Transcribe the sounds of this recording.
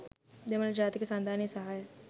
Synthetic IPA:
d̪emənd͡ʒaːt̪kesãnd̪ʱaːnisəɦaːj

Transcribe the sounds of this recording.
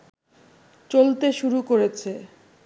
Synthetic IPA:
t͡ɕolt̪eʃuɾukoɾet͡ɕʰe

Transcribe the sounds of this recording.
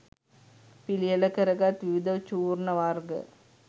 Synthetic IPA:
pilɪjɐlɐkɐɾɐɡaːt̪ʋiʋid̪ɐʋt͡ʃuːɾnɐʋaːɾɡɐ̰

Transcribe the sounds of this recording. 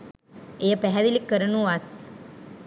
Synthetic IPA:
ejəpæɦæd̪ilikːəɾənuʋas

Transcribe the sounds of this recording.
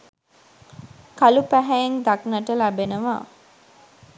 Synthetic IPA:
kalupæɦæjeŋd̪aknəʈəlæbenəʋa̰ː

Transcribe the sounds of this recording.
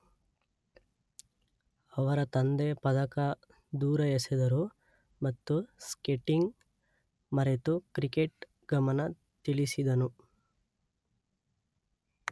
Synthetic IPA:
ɐʋɐɾɐt̪ɐnd̪epɐd̪ɐkɐ | d̪uːɾɐjɐsid̪ɐɾu | mɐt̪ːuskeʈːiŋɡ | mɐɾet̪ukɾikeʈ | ɡɐmɐnɐ | t̪ilisid̪ɐnu

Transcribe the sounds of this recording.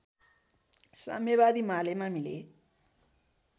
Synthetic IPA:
sa̰mjeβad̪imalejmamilḛ

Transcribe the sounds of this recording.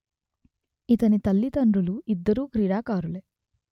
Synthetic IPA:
it̪ɐnit̪ɐlːit̪ɐɳɾuluid̪ːɐɾuːkɾiːɽaːkaːɾule

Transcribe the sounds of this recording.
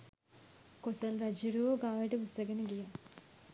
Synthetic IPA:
kosɐlrɐd͡ʒiɾuʋoɡaːʋiʈəpust̪ɐɡenəɡija

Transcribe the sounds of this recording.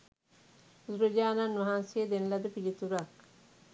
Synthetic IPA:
uzuɾod͡ʒaːnanːʋɐɦansejed̪enlɐd̪əpid͡ʒit̪uɾak

